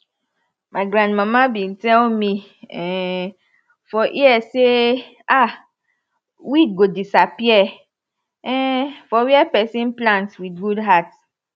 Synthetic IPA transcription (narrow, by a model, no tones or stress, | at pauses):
mãɪɡɾãndmãmãbĩntɛlmĩ | ɛ | fɔʔiɛse | a | wiɡodisapiɛ | ɛfɔwiɛpɛsĩnplãntwidɡudɦat